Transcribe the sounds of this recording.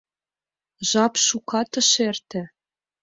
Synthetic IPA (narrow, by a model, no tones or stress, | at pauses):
ʒɑpʃukɑt̪ɤ̆ʃert̪ĕ